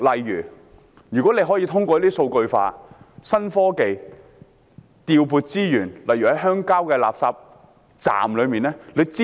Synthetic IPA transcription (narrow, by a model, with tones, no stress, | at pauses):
lɐ˨jːyː˨˩ | jyː˨˩kʷwɔː˨˥ne˧jɦɔː˨˥jiː˧t̪ʰʊ˥ŋkʷɔː˧˨˦i˥so˧wkɵ˧ɥfa̰ː˧sɐ˥nfɔː˥ke˧j | t̪iː˧wpuː˧t̚t͡siː˥jyː˨˩nlɐ˨jɥyː˨˩hɐ˨˥jɦœː˥ŋkaː˥wkɛː˧la̰ː˨p̚saː˧p̚ | t͡sa̰ː˨mlɵ˨˧ɥmiː˨nlɛː˥le˨˧t͡siː˥